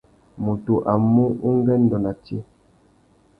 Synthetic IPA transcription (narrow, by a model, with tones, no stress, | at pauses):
mu˨tu˨ʔa˨mu˦u˦ŋ˦ɡɛ˦n˦dɔ˨na˨te˦